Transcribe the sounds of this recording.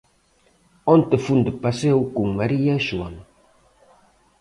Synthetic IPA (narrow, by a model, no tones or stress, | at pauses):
ɔnt̪efund̪ʊpasewkuŋmaɾiaʃuaŋ